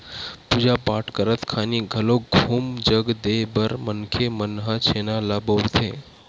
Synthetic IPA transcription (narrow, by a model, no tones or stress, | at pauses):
pud͡ʒapaʈʰkəɾət̪kʰaniɡʱəloɡʱuːmd͡ʒəɡd̪ebəɾmənkʰemənɦat͡ʃʰenalabəɾt̪ʰe